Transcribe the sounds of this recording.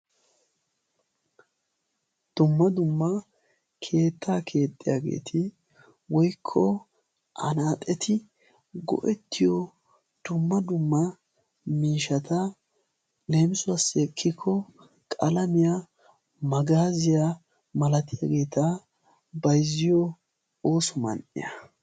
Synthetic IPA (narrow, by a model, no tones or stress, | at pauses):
d̪̥ʊmːɐd̪ʊmːɐ | kʰe̞ːt̪ːaːkʰe̞ːt̪ʼːɪja̰ːɡe̞̰ːt̪ʰɪ | wɔjkʰːɔ | ʔɐ̰naːt̪ʼɛt̪ʰɪ | ɡɔ̰ʔɛt̪ʰːɪjɔ | d̪̥ʊmːɐd̪ʊmːɐ | miːʃɐt̪ɐ | le̞ːmɪsʊɐsːɪɛkʰːɪkʰːɔ | kʼɐlɐmɪja | mɐɡaːzɪja | mɐlɐt̪ɪjaːɡe̞ːt̪ɐ | bɐjzːɪjɔ | o̞ːsɔmɐ̰nʔɪ̰jɐ̰